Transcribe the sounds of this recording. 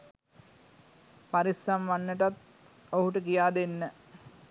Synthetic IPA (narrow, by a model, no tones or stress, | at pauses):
pɐɾisɐmʋɐnːəʈɐt̪ | oɦuʈəkijaːd̪enːə